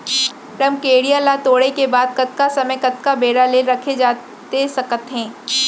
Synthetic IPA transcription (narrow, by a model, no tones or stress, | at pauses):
ɾɐmkeːɽijalat̪oːɽekebaːd̪̚kɐt̪̚kasɐməjkɐt̪̚kabeːɽaleːlɾɐkʰed͡ʒaː | t̪esɐkət̪ɦɛ̃ː